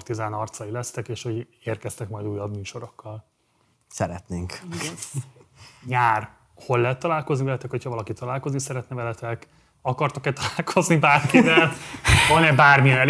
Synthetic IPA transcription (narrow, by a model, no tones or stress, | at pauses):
rt̪izaːnɒrt̪sɒjilɛst̪ɛkeːʃho̞ɟerkɛst̪ɛkmɒjd̪uːjːɒbmyːʃo̞ɾo̞kːɒl | sɛɾɛ̰t̪neːŋk | ɲaːr | ho̞lːɛɦɛt̪ːɒlaːlko̞znivɛlɛt̪ɛkhochɒvɒlɒkit̪ɒlaːlko̞znisɛɾɛt̪nɛvɛlɛt̪ɛk | ɒkɒrt̪okɛt̪ɒlaːlkʰo̞znibaːrkivɛlvɒnɛbaːrmijɛnɛl